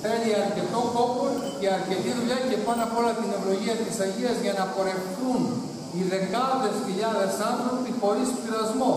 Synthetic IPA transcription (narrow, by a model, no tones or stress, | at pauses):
θeliɐɾce̞t̪o̞ko̞poɾceɐɾce̞t̪iðuʎɐce̞pɐnɐpo̞lɐt̪ine̞vlo̞ʝiɐt̪isɐɟiɐzʝɐnɐpo̞ɾe̞fθun | iðe̞kɐðe̞sçiʎɐðe̞sɐnθɾo̞pipo̞lisp̪iɾɐzmo